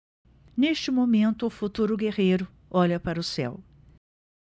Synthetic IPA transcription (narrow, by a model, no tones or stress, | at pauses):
neʃt͡ʃɪmomẽnt̪ʊːfut̪uɾʊɡeʁejɾʊ | ɔʎɐpaɾɐʊsɛ̰w